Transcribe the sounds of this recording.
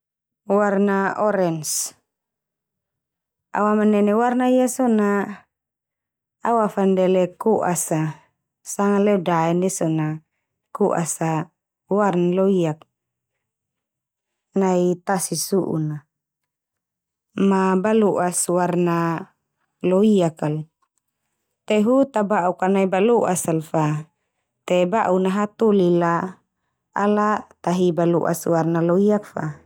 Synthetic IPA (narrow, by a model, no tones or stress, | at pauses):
warnaɔɾɛns | a̰wamanɛnɛwarnaijasɔna | awafandɛlɛkuʔasa | saŋalɛɔdaɛnɛsɔna | kuʔa̰sa | warnalɔijak̚ | nait̪asisuʔṵna | mabalɔʔaswarna | lɔiakal | t̪ɛɦut̪abaukanaibalɔʔasalfa | t̪ebaʔunaɦat̪ulila | alat̪aɦibalɔ̰ʔa̰swarnalɔiak̚fa